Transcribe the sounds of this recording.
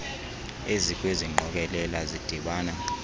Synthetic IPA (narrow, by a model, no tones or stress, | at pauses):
ezikʼweziŋ͡ǃʱɔk̬ʼɛlɛlazid̥ʱiɓaːna